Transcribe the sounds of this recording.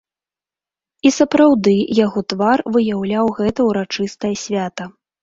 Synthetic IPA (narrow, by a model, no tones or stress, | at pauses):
isɐpɾawd̪ɨjaɣɔt̪varvɨjawlʲawɣɛt̪ɐwɾat͡ʂɨst̪ɐjɐsʲvʲat̪ɐ